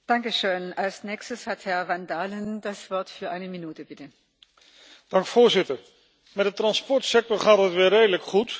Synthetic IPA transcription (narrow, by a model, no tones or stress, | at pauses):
d̥aŋkəʃøːnalsnɛːkstəshathɛɐvandaːləndasv̥ɔɐtfyːɐʔaɪnəminuːtəbɪtə | d̥ɑŋkfʊːɹzɪtəɹ | mɛt̚dətrɑnspɔɹtsɛk̚tɔɹχaːtɦətʋɪːreːdələkχut